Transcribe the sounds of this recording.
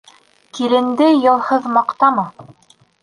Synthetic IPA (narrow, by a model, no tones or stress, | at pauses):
kiɾɘ̆nd̪ɘjɤ̆lˠhɤðmɑqt̪ɑmɑ